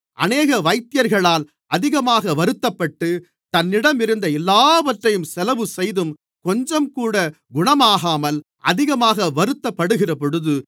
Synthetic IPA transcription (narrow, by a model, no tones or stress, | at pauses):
ʔɐ̰neːɣɐʋɐɪt̪ːɪjɐɾɣɐɭaːl | ʔɐðɪɣɐmaːɣɐʋɐɾɯt̪ːɐpːɐʈːɯ | t̪ɐnːɪɽɐmɪɾɯnd̪ɐɛlːaːʋɐʈrɐjɯmsɛlɐʋɯsɛjðɯm | kɔɲd͡ʒɐmkuːɽɐ | ɡʊɳɐmaːɣaːmɐl | ʔɐ̰ðɪɣɐmaːɣɐʋɐɾɯt̪ːɐpːɐɽɯɣɪrɐp̬ɔɽɯðɯ